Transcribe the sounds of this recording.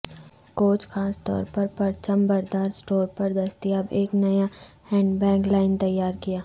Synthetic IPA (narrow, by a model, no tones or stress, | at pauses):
koːt͡ʃxʰaːst̪ɔ̰ːɾpɐɾpɐɾt͡ʃəmbɐɾd̪aːɾsʈoːɾpɐɾd̪ɐst̪iɐbeːknɐjahɛ̃ːɳɖbɛ̃ːŋklaːɪnt̪ɐjːaːɾkijaː